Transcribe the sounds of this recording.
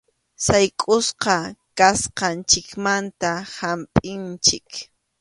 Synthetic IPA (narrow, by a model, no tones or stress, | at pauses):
sajkʼʊsqɑkasqɑnt͡ʃɪkmant̪ahampʼɪnt͡ʃɪk